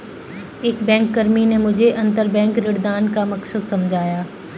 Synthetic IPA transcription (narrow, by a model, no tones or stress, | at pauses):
eːkbɛ̃ːŋkːɐɾminemʊd͡ʒʱeʔɐ̃nt̪əɾbɛ̃ːŋkɾɪɽd̪aːnkamɐksəd̪sɐmd͡ʒʱaːjaː